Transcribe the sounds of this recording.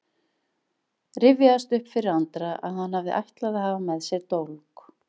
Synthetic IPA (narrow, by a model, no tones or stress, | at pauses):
rɪvjaðast̪ʏhpfɪɾɪɾant̪ɾaʔa̰ðhanhavðɪʔajht̪laðahaːvamɛðsjɛɾt̪owlk